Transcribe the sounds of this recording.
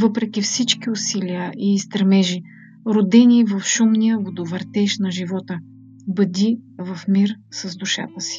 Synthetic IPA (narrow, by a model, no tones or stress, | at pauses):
vɤpɾɛk̟ʲifsit͡ʃkiʊsilijəʔiːst̪ɾɛmɛʒi | ɾod̪ɛnivɐfʃumnijəvod̪ovəɾt̪ɛʃnɐʒivɔt̪ə | bəd̪ivɐfmiɾsɐzd̪uʃa̰t̪əsi̥